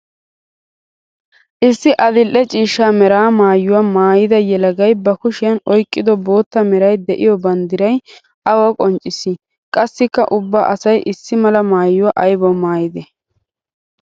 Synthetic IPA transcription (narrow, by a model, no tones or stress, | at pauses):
ʔɪsːɪʔɐd̪ɪlʔɛt͡ʃʼiːʃːaːmɛɾaːmaːjːʊwamaːjɪd̪ɐjɛlɐɡɐjbɐkʊʃɪjɐnɔjkʼːɪd̪ɔbo̞ːt̪ːɐmɛɾɐjd̪ɛʔɪjɔbɐnd̪ɪɾɐj | ʔɐwɐkʼɔnt͡ʃʼːɪsɪ | kʼɐsːɪkːɐ̰ʔʊbːaːʔɐsɐjʔɪsːɪmɐlɐmaːjːʊwaʔɐjbɔmaːjɪd̪ɛ